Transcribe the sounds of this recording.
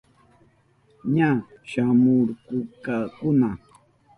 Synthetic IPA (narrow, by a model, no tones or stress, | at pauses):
ɲaʃamʊɾkʊkakʊna